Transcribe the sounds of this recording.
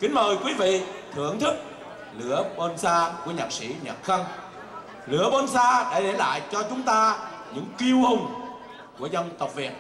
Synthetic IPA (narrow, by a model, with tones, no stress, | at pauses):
kï˨˦ŋ̟məː˨˩jkwi˨˦vḭ˧˨t̪ʰɨ˧˩əŋt̪ʰɨ˦˥k̚ | lɨ̰˧˦əɓo˧nsaː˧ku˧˩əɲaː˨˩k̚sḭ˧˥ɲə̰˨˩t̚xə˧ŋ | lɨ̰˧˦əɓo˧nsaː˧ɗa̰ː˧˥ɗe˧˩la̰ː˧˨jt͡ɕɔ˧t͡ɕʊ˨˦ŋ͡mt̪aː˧ | ɲɨ̰˧˥ŋki˧əwhʊ˧˩wŋ͡m | ku˧˩əzə˧wŋ͡mt̪ə˨˩k͡p̚vi˨˩ət̚